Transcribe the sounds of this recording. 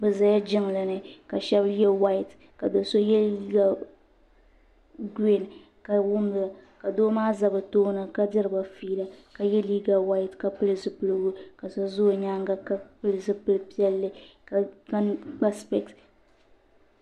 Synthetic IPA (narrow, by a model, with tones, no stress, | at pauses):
bɨ˨za˨ja˦d͡ʒɪ˦ŋ˨la˨nɨ˨ka˨ʃɛ˦bjɛ˦wa˦ɪ˨t | ka˨do˨so˦jɛ˦liː˦ɡa˨ | ɡe˦n˨ | ka˨wʊ˦m˨la˨ka˨doː˦maː˦za˨bɨ˨toː˦na˨ka˦dɨ˦ɾɨ˨ba˨fiː˦la˨ka˨jɛ˦liː˦ɡa˨wa˦jtka˨pɨ˦lɨ˦zɨ˦pɨ˦lɨ˦ɡʊ˦ka˨sa˦zo˦˨ɲaː˦ŋɡa˦ka˦pɨ˦lzɨ˦pɨ˦lɨ˦pi˦ɛ˦lːɨ˦ka˨ka˦ɡ͡ba˦spɛ˨kt